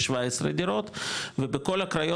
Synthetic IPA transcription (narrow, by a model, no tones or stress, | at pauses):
ʃvaesɾed̪iɾo̞t̪vebeko̞lakɾajo